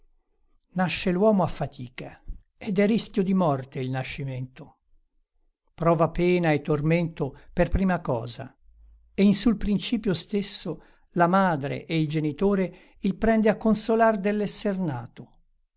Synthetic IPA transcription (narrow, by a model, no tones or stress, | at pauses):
naʃːelwɔːmoafːat̪ʰiːka | ed̪ɛriskʲjod̪imɔrt̪eilnaʃːiment̪o | pɾɔːvapɛːnaet̪ːorment̪operpɾiːmakɔ̰ːza̰ | einsulpɾint͡ʃiːpjost̪esːo | lamaːd̪ɾḛʔeild͡ʒenit̪oːɾe | ilpɾɛnd̪eakːonsolard̪elːɛsːernaːt̪o